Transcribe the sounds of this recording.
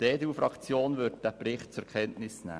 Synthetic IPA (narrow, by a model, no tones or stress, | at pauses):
teːd̪euːfɾʔɑkt͡sjoːnʋʏɾt̚d̥æpɾɪχt̚t͡sʊɾkʰɛntnɪsnæ̰ː